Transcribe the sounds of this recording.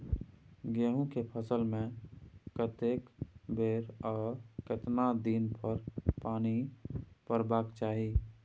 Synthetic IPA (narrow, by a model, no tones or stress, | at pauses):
ɡeɦũkepʰəsəlmẽkət̪ekbeːɾɔːket̪nad̪iːnpʰəɾpaːnipəɾbaːkt͡ʃaːɦi